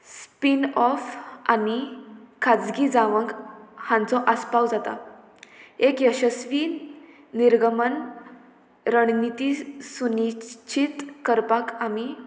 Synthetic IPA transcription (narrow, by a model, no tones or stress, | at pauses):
spinɔfanikʰad͡zɡid͡zaʋəŋɡhãnt͡sɔʔəspawd͡zat̪a̰ | ekjəɕəsʋi | niɾɡəmən | ɾəɳ̃nit̪isunit͡ɕʰit̪kəɾpakami